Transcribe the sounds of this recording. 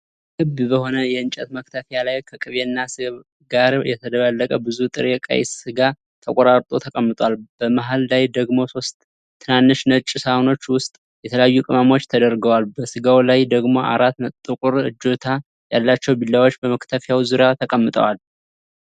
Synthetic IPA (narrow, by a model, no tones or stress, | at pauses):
ɡɨbbəho̞nəjɛɨnt͡ʃʼɛt̪mək̚t̪ʰəfjalajkʰəkʼɨβeɨnːasɨ | ɡaɾjɛt̪ʰəd̪əβəlːəkʼəbɨzut̪ʼɨɾɛkʼa̰j̰sɨɡa | t̪ʰəkʼoɾaɾt̪ʼo̞t̪ʰəkʼəmːɨt̪ʼwalb̥əmaɦalːajd̪əɡmo̞so̞st̪ʼʰː | ɨnanːɨʃnət͡ʃʼːɪsaono̞t͡ʃːwʊst̪ʼ | jɛt̪ʰələjajːukʼɨmamo̞t͡ʃːt̪ʰəd̪əɾɡəwalbəsɨɡawlajd̪əɡmo̞ʔa̰ɾat̪məɨkʼʊɾɨd͡ʒːo̞t̪ʰa | jalːat͡ʃːɛwbilːawo̞t͡ʃːbəməkt̪ʰəfjawzuɾjat̪ʰəkʼəmːɨt̪ʼə̰wal